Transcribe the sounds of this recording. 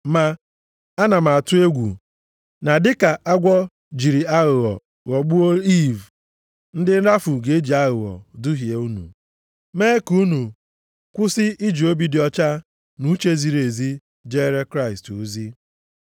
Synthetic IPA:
ma˦ | a˦na˨ma˨a˨tʊ˦e˦ɡʷṵ˨ | na˨dɪ˦ka˨ʔa˦ɡʷɔ˦ | d͡ʒi˨ɾi˨a˦ɣʊ˨ɣɔ̰˨ | ɣɔ˨ɡ͡bu˦o˦i˦˨v | n̩˦dɪ˦n̩˦ɾa˦fu˨ɡe˨e˦d͡ʒi˨a˦ɣʊ˨ɣɔ̰˨dʊ˦ɦje˨u˦nṵ˨ | me˦ku˦nu˨ | kʷʊ˦sɪ˦ʔi˦d͡ʒi˨o˦bi˦dɪ˨˦ɔ˦t͡ʃa˦ | nu˦t͡ʃe˦zi˨ɾe˨zi˦ | d͡ʒe˦ɾe˦kɾa˦ɪ˨stu˨zi˦

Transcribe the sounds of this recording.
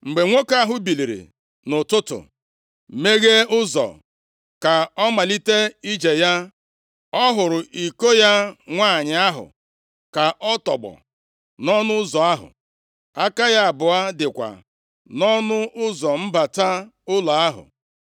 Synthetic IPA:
ŋ͡m̩˨ɡ͡be˨ŋʷo˦ka˦ɦʊ˦bi˨li˨ɾḭ˨ | nʊ˨tʊ˦tʊ̰˨ | me˦ɣe˦ʊ˦zɔ̰˨ | ka˨ɔ˦ma˨li˦te˦i˦d͡ʒe˨ja˦ | ɔ˦ɦʊ˨ɾʊ˨ʔi˨ko˦ja˦ŋʷaː˦˨ɲɪ˨a˦ɦʊ̰˨ | ka˨ʔɔ˦tɔ̰˨ɡ͡bɔ̰˨ | nɔ˦nʊ˦ʊ˦zɔ˨a˦ɦʊ̰˨ | a˦ka˦ja˦a˨bʊ˨a˦dɪ˨kʷa̰˨ | nɔ˦nʊ˦ʔʊ˦zɔ˨m̩˦ba˨ta˦ʊ˦la˨a˦ɦʊ̰˨

